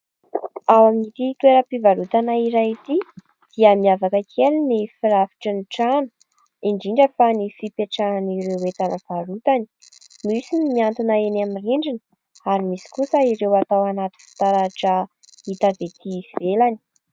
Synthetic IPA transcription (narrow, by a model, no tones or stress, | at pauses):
awamit̪it̪weɾəpivalut̪anaiɾajit̪i | d̪̥iəmiavakəkʰelinifiɾafi̥ʈ͡ʂəniʈ͡ʂanə̥ | iɳɖ͡ʐiɳɖ͡ʐəfanifipeʈ͡ʂananiɾewet̪anəv̥aɾut̪ani̥ | miusinmiant̪inaenamiriɳɖ͡ʐinə | aɾimisi̥kusəiɾewat̪awanat̪i̥fi̥t̪aɾaʈ͡ʂə | it̪avet̪iv̥elani̥